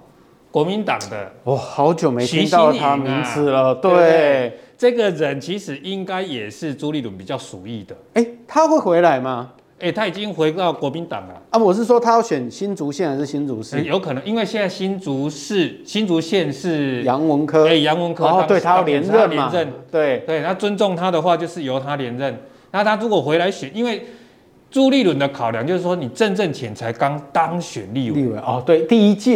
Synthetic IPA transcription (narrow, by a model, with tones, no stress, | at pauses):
kwɔ˧˥mi˧˦nt̪ɑ̰˨˩ŋd̪ə̰˦wɔ˨˩hɑ˨˦ʊt͡ɕjo˨˩ʊme˨˥ɪi˥ɑ˥t̪ʰa˥mi˧˥˦ŋt͡s̩ʰ˨˩lə˩t̪we˥˩ʈ͡ʂɤ˥˩ɡə˨ɻə˨˦nt͡ɕʰi˧˥ʂɻ̩˨˩ʔi˦˥ŋka˦˥ɪjɛ˨˩ʂɻ̩˥˩t͡su˧˥li˨˥t̪wə˨˩npi˨˩t͡ɕjɑ˥˩ʊsu˨˩i˥˩d̪ə˩e˥˩ɪt̪ʰa˦xwe˥˩ɪxwe˧˥ɪla˧˥ɪma˨ | e˥˩t̪ʰa˥i˨˩t͡ɕi˦ŋxwe˧˥ɪt̪ɑ˥˩ʊkwɔ˧˥mi˧˦nt̪ɑ̰˨˩ŋlə̰˦ə˥˨wɔ˨˩ʂ̬ɻ̩˥˩ʂ̬wɔ˥t̪ʰa˥jɑ˥˩ʊɕɥɛ˨˩nɕi˥nt͡su˧˥ɕjɛ˥˧na˨˦ʂ̩˥˩ɕi˦˥nt͡su˨˧˦ʂɻ̩˥˩jo˧˦ʊkʰɤ˨nɤ˧˦ŋi˦˥nwe˥˧ɪɕjɛ˥˧nt͡sa˥˧ɪɕi˥nt͡su˧˦ʂ̩˥˩ | ɕi˦˥nt͡su˧˥ɕjɛ˥˧nʂɻ̩˥˩ja˧˦ŋwə˧˦ŋkʰɤ˦e˧˩ja˧˦ŋwə˧˦nkʰə˦˥we˨tʰa˦ja˥˨jɛ˨˧˦n˧ɻə˥˨˧nlɛa˦˨ɻə˥˨˩nt̪we˥˩ɪt̪we˥˩ɪt̪ʰa˥t͡sə˦nt͡so˥˨ŋt̪ʰa˦d̪ə˨xwa˥˧t͡ɕjo˥˧ʊʂɻ̩˥˩jo˨˧˥ʊt̪ʰa˦˥ljɛ˧˥nɻə˥˨n | na˥˧t̪ʰa˥ɻu˧˦˥kwɔ˨˩xwe˧˦ɪla˧˦ɪɕɥɛ˨˩ni˦nwe˥˩ɪ | t͡su˥˧li˥˨lwə˨˩nd̪ə˦kʰa˨˩ʊlja˦ŋt͡ɕjo˥˧ʊʂ̩˥˩ʂwɔ˥ni˨˩ʈ͡ʂə˥˧nʈ͡ʂə˥˨ŋt͡ɕʰjɛ˨˦nt͡sʰa˧˦ɪka˦˥ŋt̪a˦ŋɕɥɛ̰˨˩nli˥˨i˥˧˨we˨˩ɔ˥˧t̪we˥˩ɪt̪i˥˨i˦˥t͡ɕɛ˥˨